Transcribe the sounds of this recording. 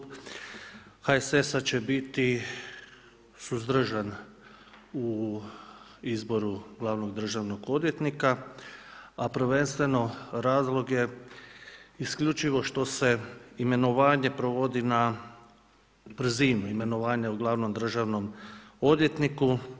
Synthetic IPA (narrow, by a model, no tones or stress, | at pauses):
haesesat͡ɕe̞bit̪i | suzd̪ɾ̩ʒan | u | izbo̞ɾuɡlˠaːʋno̞ɡd̪r̩ʒaʋnoɡo̞d̪je̞t̪nika | apɾr̩ʋe̞nst̪ʋe̞no̞ɾaːzlˠo̞ɡje̞ | iskʎut͡ʃiʋo̞ʃt̪o̞se̞ime̞noʋaːɲe̞pɾoʋo̞d̪ina | b̥ɾ̩ziːnuime̞no̞ʋaːɲauɡlˠaːʋno̞md̪r̩ʒaʋno̞mo̞d̪je̞t̪niku